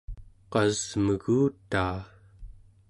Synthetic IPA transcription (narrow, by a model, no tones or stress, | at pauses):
qɑz̥məɣuːt̪aː